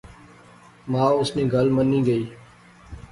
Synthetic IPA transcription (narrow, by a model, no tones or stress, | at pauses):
mãːʊsnĩːɡəlməniːɡəiː